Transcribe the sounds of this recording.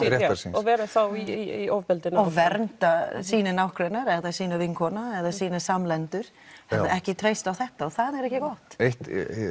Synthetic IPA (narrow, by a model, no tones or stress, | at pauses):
ɾɛaɾsinɔvɛːɾaθawiiiowvpɛlt̪ɪnaɔɣvɛɾnt̪asiːnɪnawhkɾɛnːaɾɛðasiːnavɪŋkʰɔnaɛðasiːnasamlɛnt̪ʏɾ̥ | hɛðaʔɛhcɪt̪ʰɾejst̪awθɛht̪aɔθaðɛɾɛhcɪkɔht̪eht̪